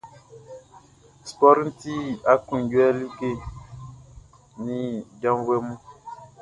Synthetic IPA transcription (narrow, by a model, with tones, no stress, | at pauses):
spɔ˦ɾn̩˦ti˦a˦ku˨ŋ˨ɟwɛ˦li˦ɡe˦˨ | ni˦ɟa˦mwe˦mu˦